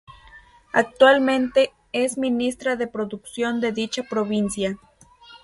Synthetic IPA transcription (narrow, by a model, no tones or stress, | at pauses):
ak̚t̪walmẽ̞nt̪e̞ | esminist̪ɾaðe̞pɾoðuksjo̞nd̪e̞ðit͡ʃapɾoβinsja